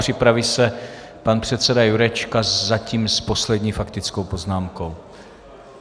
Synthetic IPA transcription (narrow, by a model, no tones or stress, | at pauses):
r̝̥ɪpɾavisɛ | panpr̝̥ɛt̪sɛdajuɾɛt͡ʃkazaciːmspo̞slɛdɲiːfakt̪ɪt͡skowpo̞znaːmko̞w